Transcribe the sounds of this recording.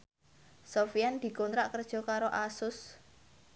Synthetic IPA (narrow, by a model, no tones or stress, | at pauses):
sofijand̪̥i̤kont̪ɾaʔkərd̥ʒ̥ɔ̤kaɾoʔasʊs